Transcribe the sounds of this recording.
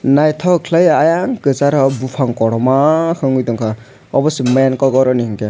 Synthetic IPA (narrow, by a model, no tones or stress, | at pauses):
najt̪ʰɔkʰlajajaŋkɯt͡saɾɔbupʰaŋkɔɽɔmakʰɯŋɡujt̪ɔŋkʰa | ɔbɔsiməjankɔɡɔɾɔniɦɯŋke